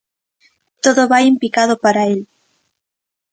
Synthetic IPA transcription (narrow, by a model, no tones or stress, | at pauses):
t̪oðoβaimpikað̞opaɾael